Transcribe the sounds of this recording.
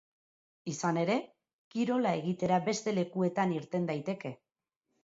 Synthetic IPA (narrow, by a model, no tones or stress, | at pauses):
isane̞ɾe̞ | kiɾo̞lae̞ɣ̞it̪e̞ɾabe̞st̪e̞le̞kue̞t̪aniɾt̪e̞nd̪ajt̪e̞ke̞